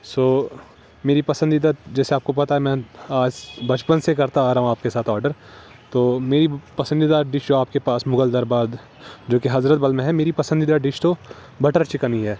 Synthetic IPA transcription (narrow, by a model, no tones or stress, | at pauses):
soː | meːɾipɐsə̃nd̪id̪aːd͡ʒɛːseaːp̚kopɐt̪aɦɛmɛ̃ːaːd͡ʒbɐt͡ʃpənsekɐɾt̪aaːɾaɦũaːp̚kesaːt̪ʰɔːɾɖəɾ | t̪oːmeːɾipɐsə̃nd̪id̪aːɾɖɪʃd͡ʒoaːp̚kepaːsmʊɡəld̪ɐɾbaːd̪ | d͡ʒoːkeɦɐzɾət̪̚bɐlmẽɦɛmeːɾipɐsə̃nd̪id̪aɖɪʃt̪o | bɐʈəɾt͡ʃɪkəniɦɛː